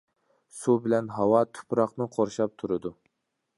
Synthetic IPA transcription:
subɪlɛnɦɑwɑt̪ʰʊ̥pɾɑqnɨqʰoɾʃɑp̚t̪ʰuɾɨd̪u

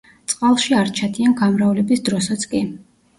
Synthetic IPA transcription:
t̪sʼqʼalˠʃiaɾt͡ʃʰad̪ʰianɡamɾaulɛbisd̪ɾɔsat̪sʰkʼi

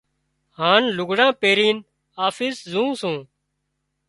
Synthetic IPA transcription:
haːnlʊɡʱɽãːpeːɾiːn | aːfiːszũːsũː

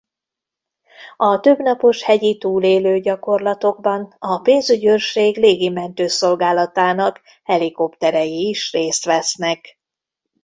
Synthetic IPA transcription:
ɒt̪øbnɒpo̞ʃhɛɟit̪uːleːløːɟɒko̞rlɒt̪o̞ɡ̚bɒnɒpeːnzyɟørʃeːɡleːɡimɛnt̪øːso̞lɡaːlɒt̪aːnɒk | hɛliko̞pt̪ɛɾɛjiːʃreːst̪ʋɛsnɛk

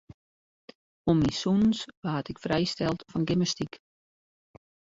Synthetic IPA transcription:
omisunnsʋaːtɪkfrɛjstɛlˠtfɔnɡɪməstik

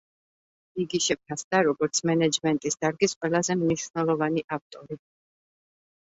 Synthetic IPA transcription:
iɡiʃɛpʰasd̪aɾɔɡɔɾt̪sʰmɛnɛd͡ʒmɛnt̪ʼisd̪aɾɡisqʼwɛlˠazɛmniʃvnɛlˠɔvaniʔaf̚t̪ʼɔɾi

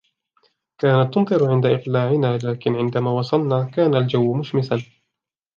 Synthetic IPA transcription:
kaːnat̪ːʊnt̪ˤɨɾʕɪnd̪aʔɪqlaːʕɪnaːlaːkɪnʕɪnd̪amaːwɑsˤɑlnaːkaːnald͡ʒawːmʊʃmɪsan

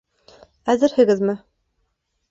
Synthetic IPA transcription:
æzɘɾhɘ̆ɡɘzmɘ

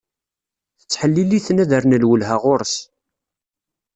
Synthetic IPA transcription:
θə̥t͡sːħəlːiliθnæðəɾnəlwəlɦaʁʊɾəs

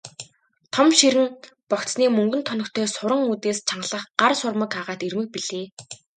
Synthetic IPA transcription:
t̪ʰɔmʃiɾɘ̆n | pɔkt͡ssniːmɵŋɡɵ̆nt̪ʰɔnɞ̆kt̪ʰœːsʊɾə̆ŋuːt̪eːst͡ɕʰaɴɢɮə̆χɢarsʊrmə̆kaːʁaːt̪irmɘ̆k̚piɮɘː

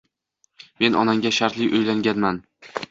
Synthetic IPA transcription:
me̞nʔɒnaŋɡʲaʃaɾt̪lɪʔɵjlaŋɡʲanman

